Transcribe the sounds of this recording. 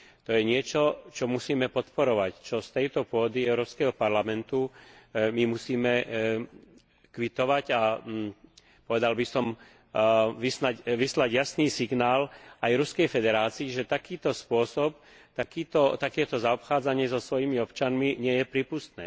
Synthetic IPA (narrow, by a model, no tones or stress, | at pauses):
t̪ɔjɛɲɪɛt͡ʃɔt͡ʃɔmusiːmɛpɔt̪pɔɾɔʋact͡ʃɔst̪ɛjt̪ɔpʊɔd̪iɛʊɾɔːpskɛɦɔpaɾlamɛnt̪u | mimusiːmɛ | kʋit̪ɔʋaɟa | pɔʋɛd̪albisɔm | ʋisnacʋislaɟjasniːsiɡnaːlajɾuskɛjfɛd̪ɛɾaːt͡siːʒɛt̪akiːt̪ɔspʊɔsɔp̚ | t̪akiːt̪ɔt̪akɛːt̪ɔzaɔpxaːd͡zaɲɪɛzɔsʋɔjiːmiɔpt͡ʃanmiɲɪɛjɛpɾiːpust̪nɛ̰ː